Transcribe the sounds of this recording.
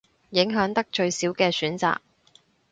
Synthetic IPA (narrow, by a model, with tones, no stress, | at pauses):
jɪ˨˥ŋɦœː˨˥ŋt̪ɐ˥k̚t͡ʃɵ˧ɥsiː˨˥wkɛː˧syː˨˥nt͡sa̰ː˧k̚